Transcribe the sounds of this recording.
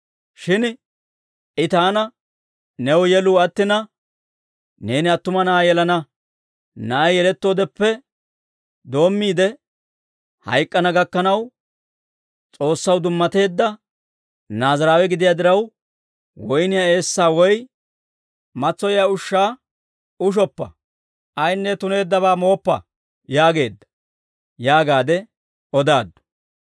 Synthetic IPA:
ʃɪn | ʔɪt̪aːnɐ | nɛwjɛluːɐt̪ːɪnɐ | ne̞ːnɪɐt̪ːʊmɐnaːjɛlɐnɐ | nɐʔjjɛlɛt̪ːo̞ːd̪ɛpːɛ | d̪o̞ːmːiːd̪ɛ | hɐ̰jkʼːɐnɐɡɐkːɐnɐw | t͡sʼo̞ːsːɐwd̪ʊmːɐt̪e̞ːd̪ːɐ | naːzɐɾaːwɛɡɪd̪ɪjaːd̪ɪɾɐw | wɔjnɪjae̞ːsːaːwɔj | mɐt͡sːɔjjaːʊʃːaː | ʊʃ̬ɔpːɐ̰ | ʔɐjnːɛt̪ʊne̞ːd̪ːɐβaːmo̞ːpːɐ̰ | jaːɡe̞ːd̪ːɐ̥ | jaːɡaːd̪ɛ | ɔd̪aːd̪ːʊ̥

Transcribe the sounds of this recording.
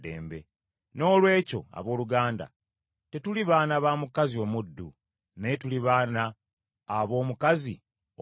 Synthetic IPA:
dḛːmbe̞̰ | no̞ːlwe̞ːco̞̰a̰βo̞ːluɡaːnda̰ | te̞tuliβaːnaβaːmukazio̞mudːu | netuliβaːnaː | βo̞ːmukazi

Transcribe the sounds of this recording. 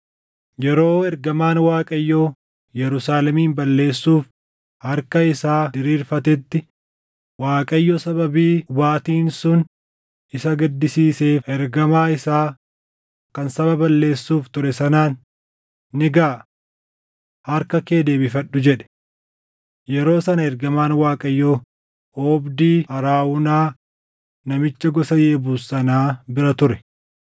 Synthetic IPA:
jɛɾo̞ːɛɾɡɐmaːnwaːkʼɐjːo | jɛɾʊsaːlɛmiːmbɐlːe̞ːsːuːf | hɐɾkɐɪsaːd̪ɪɾiːɾfɐt̪ɛt̪ːɪ | waːkʼɐjːɔsɐbɐbiːʊbaːt̪iːnsʊn | ɪsɐɡɐd̪ːɪsiːseːɛɾɡɐmaːɪsaː | kɐnsɐβɐbɐlːe̞ːsːuːft̪ʊɾɛsɐnaːnː | ɪɡaː | hɐɾkɐkeːd̪e̞ːbɪfɐᶑːʊd͡ʒɛᶑɛ̥ | jɛɾo̞ːsɐnɐɛɾɡɐmaːnwaːkʼɐjːo | oːbd̪iːhɐɾaːwʊnaː | nɐmɪt͡ʃːɐɡɔsɐjeːbuːsɐnaːbɪɾɐt̪ʊɾɛ̥

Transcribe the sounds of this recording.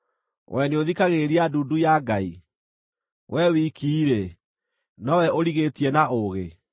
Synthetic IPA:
wʔɛneoðikaɣeɾiaduːdujaɡai | wʔɛwikʰiːɾe | nɔwɛoɾiɣetiɛnaʔoɣe

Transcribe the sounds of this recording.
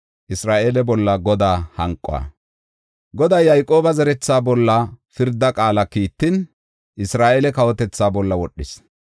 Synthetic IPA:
ʔɪsɾaːʔeːlɛbɔlːɐɡɔd̪aːhɐŋkʼːɔ̰ɐ̰ | ɡɔd̪ɐjːɐjkʼo̞ːbɐzɛɾɛt͡sːaːbɔlːɐfɪɾd̪ːɐkʼaːlɐkiːt̪ːɪn | ʔɪsɾaːʔelɛkɐwɔt̪ɛt͡sːaːbɔlːɐwɔɗːɪs

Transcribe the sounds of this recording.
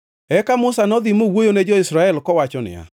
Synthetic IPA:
ɛkamʊsanɔðɪmowojoned͡ʒɔɪsɾaɛlkɔwat͡ʃɔnɪ̰a̰

